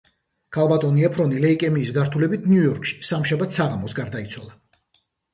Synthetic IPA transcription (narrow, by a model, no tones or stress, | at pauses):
kʰalˠbat̪ʼɔniɛpʰɾɔnilɛikʼɛmiːsɡaɾt̪ʰulɛbit̪̚ʰnjujɔɾkʰʃi̥samʃabat̪ʰsaʁamɔsɡaɾd̪ait̪sʰwalˠa